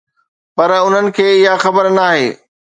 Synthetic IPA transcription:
pɐɾʊn̤ənɪ̆kʰeːɪɦaxɐbəɾnaːɦeː

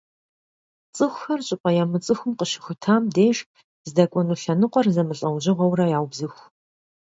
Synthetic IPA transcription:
t͡sʼɨxʷxɐrɕʼɪpʼɐjaːmɨt͡sʼɨxʷʊmqəʃɪ̥xʷʊtʰaːmdeːʒ | zdɐkʷʼɔnuːɬɐnɨqʷʼɔrzɐmɨɬʼɐwʑɪʁʷɔwrɐjaːwbzɨxʷ

